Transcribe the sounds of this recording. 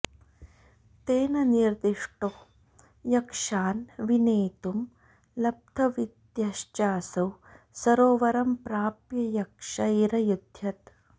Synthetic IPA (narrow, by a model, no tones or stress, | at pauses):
t̪eːnɐniɾd̪iʂʈo | jɐkʂaːnʋineːt̪um | lɐb̚t̪ʰɐʋid̪jɐʃt͡ʃaːsɐw | sɐɾoːʋɐɾɐmpɾaːpjɐjɐkʂɐiɾɐjud̪ʱjɐt̪